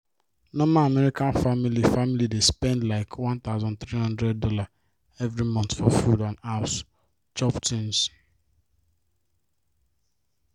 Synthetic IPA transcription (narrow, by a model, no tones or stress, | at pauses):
nɔ̃maamɛɾikãnfamilifamilidespɛ̃ndlaɪkʰwãnt̪aʊzɔ̃nt̪ɾihʌ̃ndɾɛd̚ːɔla | evɾimɔ̃nt̪fɔfudãnaʊs | t͡ʃɔptʰĩns